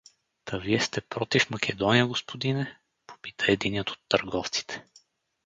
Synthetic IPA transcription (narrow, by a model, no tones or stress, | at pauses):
t̪ɐviɛst̪ɛpɾɔt̪ifmɐkʰʲɛd̪ɔnijəɡospod̪inɛ | po̥pi̥t̪əɛd̪inət̪o̥t̪ːəɾɡɔft̪si̥t̪ʰɛ̥